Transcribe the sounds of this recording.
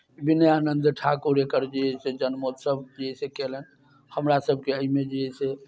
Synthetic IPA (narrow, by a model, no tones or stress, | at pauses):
binjanənd̪ʈʰakuɾekəɾd͡ʒiɦɛsed͡ʒənmot̪səb̚d͡ʒiɛsekelən | həmɾasəbʱkeəimed͡ʒiɛse